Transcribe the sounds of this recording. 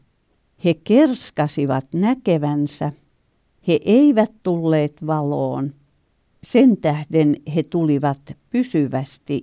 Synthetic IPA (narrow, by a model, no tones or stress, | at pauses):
hekerskɑsiʋɑt̪nækeʋænsæ | heʔeiʋæt̪tulːeːt̪ʋɑlo̰ːn | sent̪æhdenhet̪uliʋɑt̪pysyʋæst̪i